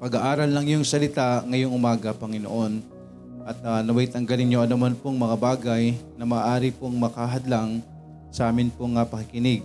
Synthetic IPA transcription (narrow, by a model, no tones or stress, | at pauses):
pɐɡaʔaːɾɐlːɐŋjʊŋsɐlɪt̪aʔŋɐjoŋʔʊmaːɡɐpɐŋɪno̰ʔo̞n | ʔɐt̪anɐmajt̪ɐŋɡɐlɪŋɲoʔɐnʊmanpoŋmɐŋabaːɡajnɐmaːʔaːɾɪpoŋmɐkaɦɐd̪laŋ | sɐʔaːmɪnpoŋːɐpɐkɪkɪnɪɡ̚